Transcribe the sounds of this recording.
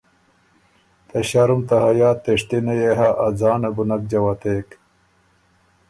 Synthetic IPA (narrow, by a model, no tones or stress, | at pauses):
t̪ɐɕaɾumt̪ɐɦɐjaːt̪ːeʂt̪inɐjeɦaʔːd͡zaːnɐbunɐk̚d͡ʑɐwɐt̪eːk